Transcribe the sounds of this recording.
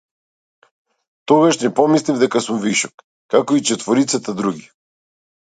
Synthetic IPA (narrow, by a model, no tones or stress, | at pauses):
t̪ɔɡaʃnɛpɔmislivd̪ɛkasumviʃɔkː | akɔit͡ʃɛt̪vɔɾit̪sat̪ad̪ɾuɡʲi